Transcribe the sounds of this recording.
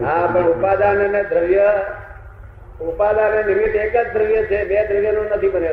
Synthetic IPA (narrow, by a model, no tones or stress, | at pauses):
ɦapəɳʊpad̪anenẽd̪ʱɾəjə | ʊpad̪anenɪʋit̪ekəd͡ʒd̪ʱɾəjət͡ʃʰebed̪ʱɾəjənũnət̪ʰibəne